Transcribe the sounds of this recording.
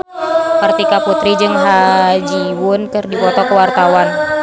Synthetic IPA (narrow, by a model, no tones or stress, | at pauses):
kərt̪ikaput̪ɾid͡ʒɨŋɦad͡ʒiwʊnkɨrdifɔt̪ɔkəwart̪awan